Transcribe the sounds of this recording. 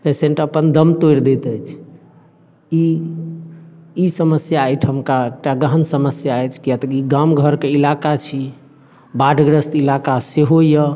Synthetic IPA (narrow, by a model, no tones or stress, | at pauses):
pesẽɳʈəpənd̪əmt̪ojɾd̪et̪əjt͡ʃʰ | i | isəməsjaːjʈʰɦəmkaek̚ʈaɡəɦənsəməsjaɛjt͡ʃʰkijat̪əkiɡamɡʱəɾkeilakat͡ʃʰi | baɖʱɡɾəst̪ilakaseɦojə